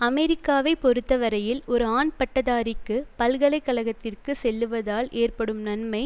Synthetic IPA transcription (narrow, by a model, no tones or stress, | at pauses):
ɐmɛɾɪkːaːʋɐɪpːɔɾɯt̪ːɐʋɐɾɐjɪlɔɾɯaːnpɐʈːɐðaːɾɪkːɯpɐlɣɐɭɐɪkːɐlɐɣɐt̪ːɪrkɯsɛlːɯʋɐðaːleːrpɐɽɯmnɐnmɐɪ